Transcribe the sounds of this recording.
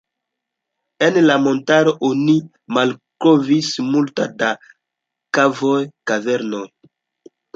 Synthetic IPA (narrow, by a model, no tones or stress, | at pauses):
enlamo̞ntaɾo̞ʔoni | malkɾovismultada | kavojkave̞ɾnoj